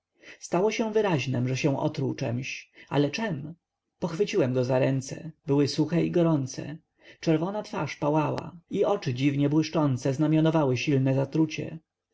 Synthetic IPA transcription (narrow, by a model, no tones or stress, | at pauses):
st̪awɔɕɛw̃vɘɾaʑnɛmʐɛɕɛ̃ʔɔ̰t̪ɾuwt͡ʂɛ̰mɕa̰lɛt͡ʂɛm | pɔxfɘt͡ɕiwɛmɡɔzaɾɛnt̪sɛ̰bɘwɘsuxɛiɡɔɾɔnt̪sɛ̰ | t͡ʂɛɾvɔnat̪faʂpawawa̰iʔɔt͡ʂɘd͡ʑivɲɛbwɘʂt͡ʂɔnt̪sɛznamʲjɔnɔvawɘɕilnɛzat̪ɾut͡ɕɛ̰